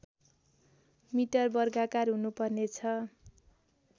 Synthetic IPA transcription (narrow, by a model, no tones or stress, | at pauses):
miʈʌrbʌrɡakarɦunupʌrnet͡sʰʌ